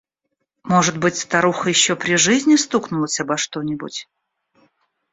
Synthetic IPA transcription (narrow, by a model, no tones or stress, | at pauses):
mo̞ʐɨt̪bɨtʲst̪ɐɾuxəjɪɕːopɾʲɪʐɨzʲnʲɪst̪uknʊlˠəsʲɐbɐʂt̪o̞nʲɪbʊ̰tʲ